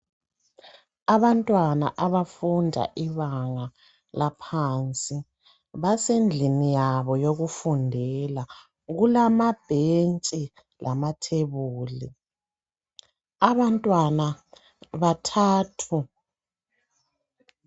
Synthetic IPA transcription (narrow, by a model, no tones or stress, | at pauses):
aβantʼwana̰ʔaβafundʱa̰ʔiβaŋa | lapʰant͡sʼi | βasend͡ɮʱinijaβɔjoɣufundʱɛla | ɣulamab̥ʱent͡ʃʼi | lʔa̰matʰeβuːlḭ | aβantʼwana | βatʰaːtʰu